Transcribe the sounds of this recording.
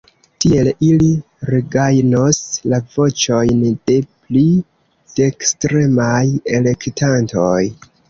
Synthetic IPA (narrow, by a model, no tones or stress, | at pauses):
tie̞lili | ɾeɡajnoslavo̞t͡ʃo̞jnd̥e̞pli | d̥e̞kstɾe̞maje̞le̞ktantoj